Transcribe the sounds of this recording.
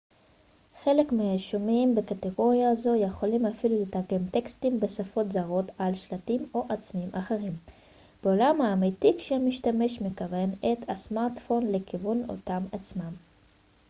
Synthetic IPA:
χe̞le̞kmeaʃomimbekateɡo̞ʁjazo̞jeχo̞limafilulitaɡe̞mtekstimbe̞safo̞tzaʁo̞talʃlatimo̞ʔat͡smimʔaχeʁim | b̥eolamhaːmitikʃemiʃtame̞ʃmekave̞netasmaʁtfo̞nle̞kivuno̞̰tamat͡smam

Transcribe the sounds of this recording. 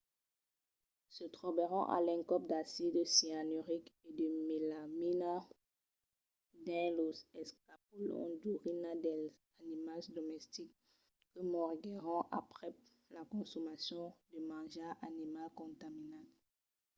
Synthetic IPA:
sət̪χɔbeʁɑ̰̃ʔa̰lɛ̃ŋkɔp̚d̪asid̪əsianøʁiked̪əmelamina | d̪ɛ̃losɛskap̚ulɔ̰̃d̪uʁinad̪ɛl | animasd̪ɔmɛst̪ikː | əmɔʁɡɛʁɔ̃ʔapχɛ | lakɔ̃sɔmasjɔ̃d̪əmãʒaʔanimalkɔ̃t̪aminat

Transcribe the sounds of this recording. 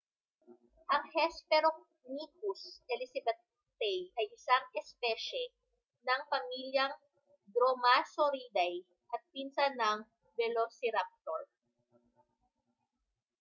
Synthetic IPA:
ʔɐŋhɛspɛɾok̚ | nikusɛlisɐbɛt̪ | t̪ɛjʔɐjʔɪsaŋʔɛspɛʃɛ | nɐŋpɐmiljɐŋ | d̪ɾomasoɾid̪aj | ʔɐt̪̚pinsanɐŋ | bɛlosɪɾap̚t̪oɹ

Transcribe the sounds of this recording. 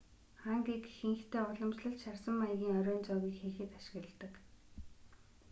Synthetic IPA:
χaːŋɡiːkxɘ̆ŋxt̪ʰeːʊɮɞ̆mt͡ɕɮə̆ɬt͡ɕʃarsə̆mːajɣʲiːŋœɾʲɔːnt͡sɔːɣiːkxeːxɘ̆t̪aʃɪ̥̆ɣrə̆ɮt̪ːə̆k

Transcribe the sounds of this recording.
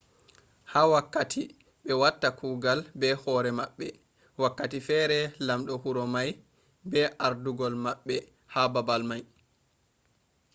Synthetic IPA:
haːwakːatʰi | ɓɛwatːakʰuːɡalbɛhɔɾɛmaɓːɛ | wakːatifɛɾɛlamɗɔhuɾɔmaj | bɛʔaɾduɡɔlmaɓːɛ | hababalmaj

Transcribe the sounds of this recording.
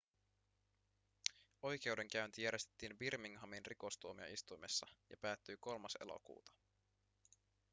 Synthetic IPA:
o̞jk̟e̞wde̞ŋk̟æynt̪ijæɾje̞st̪e̥t̪ːiːnbirmiŋɦɑminriko̞st̪uomiɑ̰ʔist̪ujme̞sːɑjɑ̰pæːt̪ːyjko̞lmɑselo̰kṵːt̪ɑ̥

